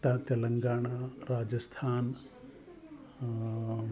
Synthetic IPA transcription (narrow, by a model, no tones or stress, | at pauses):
t̪at̪ɐlɐŋɡaːɳaɾaːd͡ʒɐst̪ʰaːn